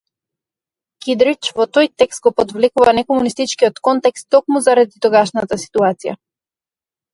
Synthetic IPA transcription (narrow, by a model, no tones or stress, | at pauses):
kid̪ɾit͡ʃvɔt̪ojt̪ɛkst̪̚ɡɔpɔd̪vlɛkuvanɛkɔmunist̪it͡ʃkiɔt̪kɔnt̪ɛkst̪ːɔkmuzaɾad̪it̪ɔɡaʃnat̪asi̥t̪uat̪sija̰